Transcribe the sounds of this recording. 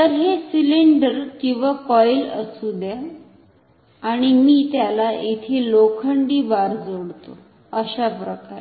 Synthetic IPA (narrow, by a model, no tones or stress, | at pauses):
t̪əɾɦesiliɳɖəɾkĩw̃ʋakɔjlə̰sud̪ja | ɽ̃imiːt̪jalaʔit̪ʰelokʰəɳɖiːbaɾd͡zoɽt̪o̰ | əɕapɾəkaɾ